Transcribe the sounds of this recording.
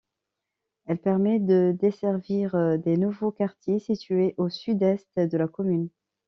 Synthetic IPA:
ɛlpɛʁmɛd̪əd̪esɛʁviʁd̪enuvokaʁt̪jesit̪yeʔosyd̪ɛst̪d̪əlakɔmyn

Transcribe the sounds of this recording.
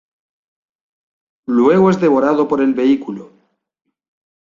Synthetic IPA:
lwe̞ɣoezðe̞β̞o̞ɾað̞o̞po̞ɾe̞lβe̞ikulo

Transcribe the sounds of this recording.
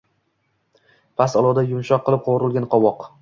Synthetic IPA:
pʰasɒlˠɒd̪ajʊmʃɒqʰːɨlˠɪp̚qʰoɾɪlˠɡʲanqʰɒwɒq

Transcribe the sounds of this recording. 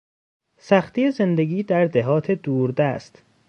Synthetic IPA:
sæxt̪iːjezend̪e̞ɡiːd̪æɾd̪eɦɒːt̪ʰe̞d̪uːɾd̪æst̪

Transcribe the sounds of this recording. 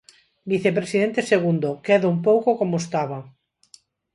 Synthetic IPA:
biθepɾesiðẽnt̪eseɣund̪okɛðoumpowkokomoest̪aβɐ

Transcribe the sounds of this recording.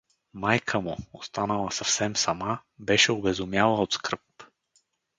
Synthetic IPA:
majkʰəmʊost̪anəlˠɐsɐfsɛmsɐmabɛʃɛobɛzʊmjalˠəot̪skɾɤp

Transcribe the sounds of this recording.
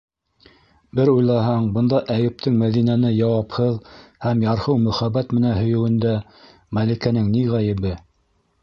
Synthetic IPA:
bɘɾujlˠɑɦɑɴbɤ̆nd̪ɑʔæjɘ̆p̚t̪ʰɘŋmæðinænɘjɑwɑphɤðhæmjɑɾhɤwmɵ̆χæbːæt̪mɘ̆nænɦɵ̆jɘ̆wɘ̆nd̪æ | mælikænɘŋniʁæjɘ̆βɘ

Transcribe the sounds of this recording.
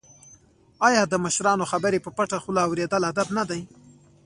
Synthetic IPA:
ɑjɑd̪əməʃɾɑnoxabəɾepəpaʈaxʊlɑwɾed̪əlad̪abnad̪aj

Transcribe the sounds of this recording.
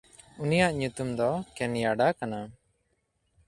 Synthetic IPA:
unijaʔɲut̪umd̪ɔkɛnjaɖakana

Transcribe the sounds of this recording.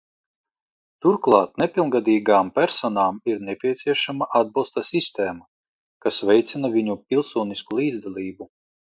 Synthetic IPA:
t̪uɾklˠɑːt̪̚nɛpʲilˠnɡad̪iːɡaːmpʲæɾsɔnaːmiɾnɛpʲiɛt̪siɛʃamaʔad̪̚bilˠst̪asist̪eːma | kasvʲɛjt̪sinavʲiɲupʲilˠsuːniskulˠiːd̪zd̪alʲˠiːbu

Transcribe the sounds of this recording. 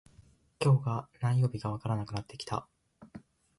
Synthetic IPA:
kʲo̞ːɡanaijːo̞ːbʲiɡaβ̞akaɾanakɯ̟nat̪ʰːe̞kʲi̥t̪a̰

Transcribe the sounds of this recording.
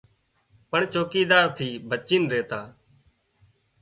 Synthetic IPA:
pəɳt͡ʃoːkiːd̪aːɾt̪ʰiːbʱət͡ʃiːnɾeːt̪aː

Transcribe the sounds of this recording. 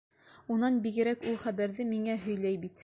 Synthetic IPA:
unɑnbiɡɘ̆ɾækulˠχæbæɾðɘmiŋæɦɵ̆jlæjbit̪

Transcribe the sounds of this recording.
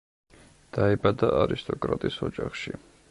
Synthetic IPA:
d̪̥aɛbad̪aʔaɾist̪ʼɔkʼɾat̪ʼisɔd͡ʒaχʃi

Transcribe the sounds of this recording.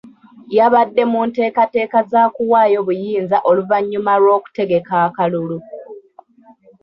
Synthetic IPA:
jaβadːe̞munte̞ːkate̞ːkazaːkuwaːjo̞βujiːnzaʔo̞luvaɲːumaɾwo̞ːku̥te̞ɡe̞kaːkalulu

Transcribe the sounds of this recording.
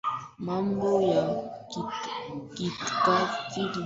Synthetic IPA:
mambʊja | kɪt̪kakɪl

